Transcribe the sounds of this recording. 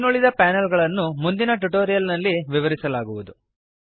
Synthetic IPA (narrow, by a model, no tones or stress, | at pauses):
nuɭid̪ɐpaːnɐlɡɐɭɐnːumund̪inɐʈ̬uʈoːɾijɐlnɐlːiʋiʋɐɾisɐlaːɡuʋud̪u